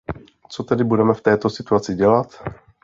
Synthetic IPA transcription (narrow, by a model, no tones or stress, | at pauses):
t͡so̞t̪ɛdɪbudɛmɛft̪ɛːt̪o̞sɪt̪uat͡sɪɟɛlat̪